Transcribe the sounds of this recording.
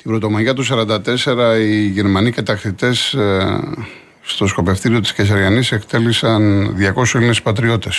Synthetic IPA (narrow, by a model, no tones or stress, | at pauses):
t̪ibɾo̞t̪o̞mɐʝɐt̪usɐɾɐnd̪ɐt̪e̞se̞ɾɐiʝeɾmɐniket̪ɐkθit̪e̞s | st̪o̞sko̞pe̞fθiɾio̞t̪i̥sces̬ɐɾʝɐnise̞kt̪e̞lisɐnðʝɐko̞suilinespɐt̪ɾio̞t̪e̞s